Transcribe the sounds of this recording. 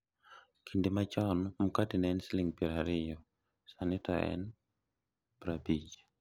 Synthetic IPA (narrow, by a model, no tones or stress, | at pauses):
kʰindimat͡ʃɔnmukadinɛnsliŋbiɾaɾijɔ | sanit̪aɛ̰n | b̥ɾabid͡ʒḁ